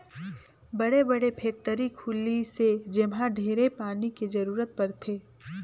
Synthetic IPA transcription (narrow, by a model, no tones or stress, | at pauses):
bɐɽebɐɽepʰeːk̚ʈəɾikʰuːlised͡ʒɪmɦãɖʱeːɾepaːniked͡ʒɐɾuːɾət̪̚pɐɾt̪ʰeː